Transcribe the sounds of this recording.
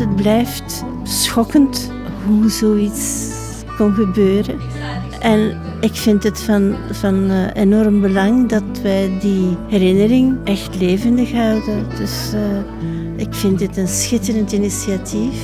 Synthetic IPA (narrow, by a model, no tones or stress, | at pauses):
əd̚blɛjft | sxɔkənt | ɦuzoːits | kɔnɣəbøːrə | ʔɛn | ɪkfɪntɦətfɑnv̥ɑnenɔrmbəlɑŋdɑtʋɛjdiɦɛɾɪnəɾɪŋʔɛxtleːvəndəxɦɑwdəd̥ʏs | ɪkfɪntdɪtənsxɪtəɾəntinisiatʰif